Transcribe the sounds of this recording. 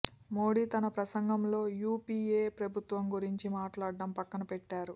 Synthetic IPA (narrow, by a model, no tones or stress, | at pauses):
mo̞ːɽiːt̪ɐnɐpɾɐsɐŋɡɐmlo̞ːjuːpiːeːpɾɐbʱut̪ʋɐmɡuɾiɲt͡ʃimaːʈlaːɖːɐmpɐkːɐnɐpɛʈːaːɾu